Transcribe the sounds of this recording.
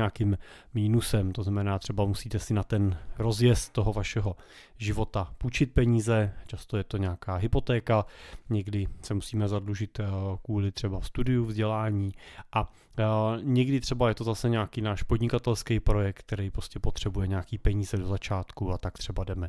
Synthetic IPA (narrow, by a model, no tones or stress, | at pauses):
aːkim | miːnusɛmt̪oznamɛnaːt̪r̥ɛbamusiːt̪ɛsɪnat̪ɛnɾo̞zjɛst̪ːoɦo̞vaʃɛɦo̞ | ʒɪvo̞t̪aput͡ʃɪt̪̚pɛɲiːzɛt͡ʃast̪o̞jɛt̪oɲɛakaːɦɪpo̞t̪ɛːkaɲɛɡdɪsɛmusiːmɛzadluʒɪt̪kvuːlɪt̪r̥ɛbafst̪udɪjuvzɟɛlaːɲiːʔa | ɲɛɡdɪt̪r̥ɛbajɛt̪ozasɛɲaːkiːnaːʃpodɲɪkat̪ɛlskɛjpɾo̞jɛk̚t̪̚t̪ɛɾɛjpɾoscɛpo̞t̪r̝̥ɛbujɛɲɛaːkiːpɛɲiːzɛdo̞zat͡ʃaːt̪kuat̪akt̪r̥ɛbadɛmɛ